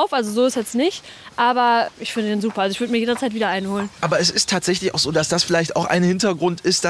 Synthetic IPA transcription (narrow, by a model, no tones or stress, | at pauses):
aʊfʔalzozoːɪsjɛt͡stnɪçt | ʔaːbɐʔɪçfɪndədeːnzuːpɐʔalzoɪçvʏɐdəmiːjeːdɐt͡saɪtviːdɐʔaɪnhoːlənʔaːbɐɛsɪstʰːaːtz̥ɛç̬lɪçaʊxz̥oːdasd̥asfɪlaɪçta̰ʊxʔa̰ɪnhɪntɐɡʁʊntʰɪstd̥